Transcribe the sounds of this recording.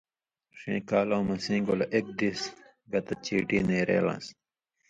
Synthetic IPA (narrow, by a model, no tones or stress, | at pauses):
ʂẽːkaːlõːmɐsĩːɡolɐʔek̚d̪is | ɡɐt̪ɐt͡ɕiːʈiːneːɾḛːlã̰ːs